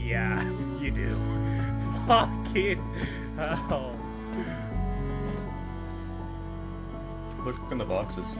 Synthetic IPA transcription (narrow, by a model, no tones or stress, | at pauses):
jæjɨdʉ̰ | fʌkʰɪt̚ | oʊ | pʰʊʃʌkɨ̃nðəbɑksɨz̥